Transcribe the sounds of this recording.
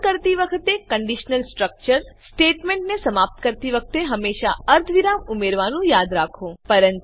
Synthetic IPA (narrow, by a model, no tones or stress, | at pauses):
kəɾt̪iʋəkʰət̪ekkəɳɖiʃnəlsʈɾək̚t͡ʃəɾsʈeʈmeɳʈnesəmap̚t̪kəɾt̪iʋəkʰt̪eɦəmːeʃaəɾt̪ʰʋiɾamumeɾʋanũjad̪ɾakʰõpəɾənt̪